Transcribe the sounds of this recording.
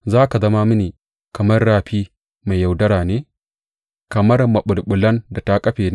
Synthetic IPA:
zaː˦ka˨zɐ˦ma˦mʊ˦niː˨ | kɐ˨mɐ˦rːaː˦˨ɸiː˦ | ma˨jjɐ˨wdɐ˦ɽaː˨neː˦ | kɐ˨mɐ˦rmɐ˨ɓʊ˨lɓʊ˨lɐ˦nda˨ta˦kʼɐ˦ɸeː˨n˦

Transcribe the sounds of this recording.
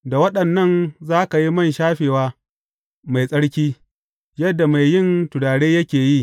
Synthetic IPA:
da˨wɐ˦ɗɐ˨nːɐ˦˨nzaː˦ka˨ji˦mɐ˦nʃaː˦ɸeː˨waː˦ | ma˨jsʼɐ˦ɽkʲiː˦ | jɐ˦dːa˨ma˨jːɪ˦ntʊ˨ɽaː˨ɽeː˦jɐ˦kʲeː˨ji˦

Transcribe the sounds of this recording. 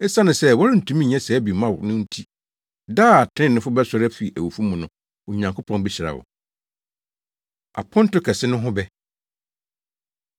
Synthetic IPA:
ɛ˦sa˦nʊ̃˨sɛ˦wɔ˦ɾɪ˦n̩˨tʰũ˦mĩ˦˨ɲɛ̃˦sɛ˨˦bi˨mã˦˨wʊ˨nʊ̃˦n̩˦tʰi˦ | daː˦a˨tʰɪ̃˦nʊ̃˦fʊ˦bɛ˦sɔ˦ɾæ˦fi˨ʔæ˨wu˨fu˦mũ˨nʊ̃˨ | o˨ɲã˨ŋkʰo˦pʰɔ̃˨nbi˦ɕɪ˨ɾa̰˨wʊ̰˨ | a̰˨pʰɔ̃˦n˦tʊ˦kʰɛ˨sɪ˦nʊ̃˦ɦʊ̃˦bɛ˦

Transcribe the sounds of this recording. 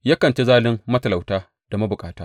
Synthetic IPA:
ja˦kɐ˨nt͡ʃe˦zaː˦lɪ˦mːɐ˦tɐ˨la˨wtaː˦ | d̥a˨ma˦bʊ˨kʼaː˦taː˦

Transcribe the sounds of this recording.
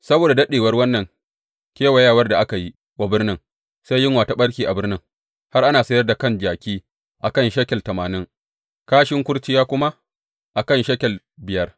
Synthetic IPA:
sɐ˦boː˨da˨dɐ˦ɗeː˨wɐ˦rwɐ˦nːɐ˨ŋ | kʲeː˦wa˨jaː˦˨wɐ˦rda˨ʔa˦ka˨ji˦ | wa˦bɪ˦rnɪ˦ŋ | sa˦jːɪ˦ŋwaː˨ta˦ɓɐ˦ɽkʲiː˨ʔa˨bɪ˦rnɪ˦ŋ | ha˦rʔa˦naː˨sɐ˦jɐ˦rda˨kɐ˦˨nd͡ʒaː˨kʲiː˦ | ʔa˨kɐ˦nʃɐ˦kʲɛ˨ltɐ˨maː˨nɪ˦ŋ | kaː˦ʃɪ˦ŋkʷʊ˦ɽt͡ʃɪ˦jaː˦kʷʊ˦ma˦ | ʔa˨kɐ˦˨nʃɐ˦kʲɛ˨l | bɪ˨jɐ˦r

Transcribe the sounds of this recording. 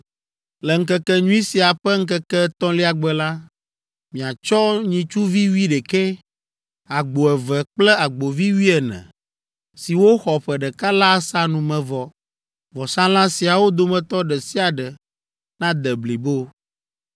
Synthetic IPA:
lɛ˨ŋ̩˦kɛ˦kɛ˦ɲũ˦i˦si˨a˨ɸɛ˦ŋ̩˦kɛ˦kɛ˦t̪ɔ̃˦li˦a˨ɡ͡bɛ˨la˦ | mĩ˨a˨t͡ʃɔ˦ɲĩ˨t͡ʃu˦vi˦wi˦ɖɛ˨kɛ˦ | a˨ɡ͡bo˨ɛ˨vɛ˨k͡plɛ˦a˨ɡ͡bo˨vi˦wi˦ɛ˨nɛ̰̃˨ | si˨wo˦xɔ˨ɸɛ˨ɖɛ˨ka˦la˦sa˦nũ˨mɛ̃˨vɔ˨ | vɔ˨sã˦lã˦si˨a˨wo˦d̪o˦˨mɛ̃˨t̪ɔ˦ɖɛ˨si˦a˨ɖɛ˨ | nã˦d̪ɛ˨bli˨bo˦

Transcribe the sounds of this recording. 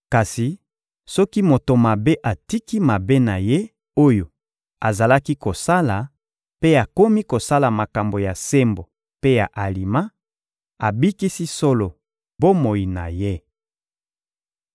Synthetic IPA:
ka˨si˨ | sɔ˦ki˦mo˨to˨ma˨be˦ʔa˨ti˦ki˦ma˨be˦na˨je˦ | o˦jo˨ | a˨za˨la˦ki˦ko˨sa˦la˨ | pe˦a˨ko˦mi˦ko˨sa˦la˨ma˨ka˨mbo˨ja˨se˦mbo˨ | pe˦ja˨ʔa˨li˨ma˦ | a˨bi˦ki˦si˦so˦lo˨ | bo˦mo˨i˨na̰˨je˦

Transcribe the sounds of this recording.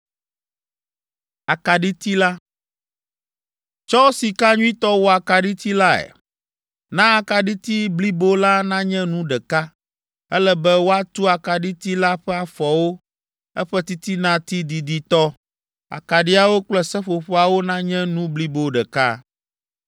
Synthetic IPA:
a˨ka˨ɖi˦t̪i˦la˦ | t͡ʃɔ˦si˨ka˦ɲũ˦ĩ˦t̪ɔ˦wo˦a˨ka˨ɖi˦t̪i˦la˦ɛ̰˨ | nã˦a˨ka˨ɖi˦t̪i˦bli˦bo˦la˦nã˦ɲɛ̃˦nũ˦ɖɛ˨ka˦ | ɛ˦lɛ˦bɛ˦wo˦a˦t̪u˦a˨ka˨ɖi˦t̪i˦la˦ɸɛ˦a˨fɔ˨wo˦ | ɛ˦ɸɛ˦t̪i˦t̪i˦nã˦t̪i˦d̪i˨d̪i˨t̪ɔ˦ | a̰˨ka˨ɖi˦a˨wo˦k͡plɛ˦sɛ˦ɸo˨ɸo˦a˨wo˦nã˦ɲɛ̃˦nũ˦bli˦bo˦ɖɛ˨ka̰˦

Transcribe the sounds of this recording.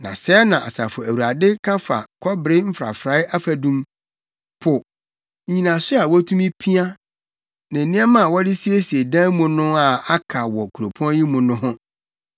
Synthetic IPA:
nã̰˨sɛ˦nã˨ʔa˨sa̰˨fʊ˨æ˨wu˨ɾa˨dɪ˦kʰa˦fa̰˨kʰɔ˦bɾɪ˦m̩˦fɾa̰˨fɾa˨˦a˦fæ˨dũ˦m | pʰʊ˨˦ | ɲĩ˨nã˨sʊ˦a˨wɔ˦tʰũ˦mĩ˦pʰi˦a˦ | nã˨nĩ˦ɛ˦mã˦˨wɔ˦dɪ˦si˦e˦si˨e˨dã˦mʊ̃˨nʊ̃˦a˨a˦kʰa˨wɔ˨kʰu˨ɾo˨pʰɔ̃˦n˦ji˦mʊ̃˨nʊ̃˦ɦʊ̃˦

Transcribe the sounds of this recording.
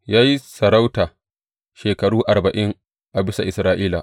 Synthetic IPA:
jaː˦ji˦sɐ˨ɾa˦wtaː˨ | ʃeː˨kɐ˨ɽuː˦ʔa˨rbɐ˨ʔɪ˦ŋ | ʔa˨bɪ˦sa˨ʔɪ˨sɾaː˦ʔiː˦la̰˨

